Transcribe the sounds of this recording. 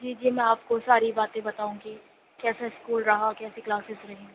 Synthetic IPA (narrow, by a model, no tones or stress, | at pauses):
d͡ʒiːd͡ʒiːmɛ̃aːpkosaːɾibaːt̪ẽbɐt̪aːũki | kɛːsaɪskuːlɾɐɦakɛːseklaːsɪzɾɐɦẽː